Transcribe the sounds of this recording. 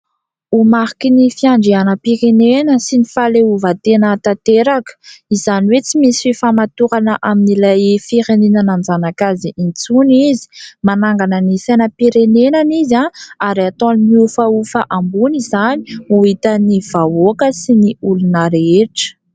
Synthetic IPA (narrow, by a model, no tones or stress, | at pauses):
umaɦikinifiaɳɖ͡ʐianəpiɾenenəsinifaleuvat̪enət̪at̪eɾakə̥izaniwet͡simisififamat̪uɾanəʔaminilajfiɾenenananzanakaziʔint͡sunizi̥manaŋɡanənisenəpiɾenenanizaaɾiat̪õnmiufaufəʔambunizaniuit̪əniv̥aokəsiniulunəɾeeʈ͡ʂə̥